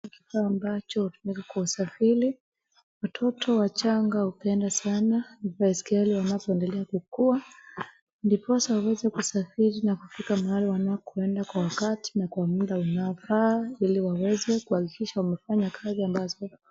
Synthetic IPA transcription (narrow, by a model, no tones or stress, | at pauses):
ki̥faːmbat͡ʃɔhutumikakwausafiɾi | watʰɔtʰɔwat͡ʃaŋɡahupɛndasananivaiskɛliwanapɔɛndɛlɛakukua | ndipɔasawawɛzɛkusafiɾinakufikamaliwanakuɛndakwawakati̥nakwamuɗaunaɔfaːiliwawɛzɛkuhakikiʃawamɛfaɲakʰaziambazɔ